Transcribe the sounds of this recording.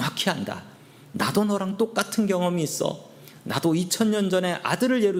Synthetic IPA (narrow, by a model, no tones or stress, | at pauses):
akʰiɦanda̰ | nadonʌɾaŋt͈ok͈atʰɯnɡjʌŋʌmiːs͈ʌ̰ | nadoit͡ɕʰʌnɲʌnd͡ʑʌne̞ʔa̰dɯɾɯɭje̞ɾu